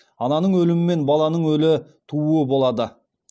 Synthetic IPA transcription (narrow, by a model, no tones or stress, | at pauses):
ɑnɑnəɴwɵlɪmɪme̞nbɑlˠɑnəɴwɵlɪt̪ʰuuəbo̞lˠɑd̪ə